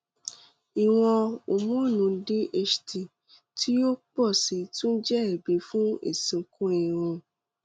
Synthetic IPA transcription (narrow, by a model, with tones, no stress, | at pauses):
i˨w̃ɔ̃˧o˨mũ˦˨nũ˧˦de˦ʔe˦ʃti˨ | tʰi˦jo˦k͡pɔ˦˨si˨˧tũ˦n̩˦d͡ʒɛ˦ɛ˨be˨˦fũ˦ḛ˨sĩ˨˧kũ˦e˨ɾ̃ũ˧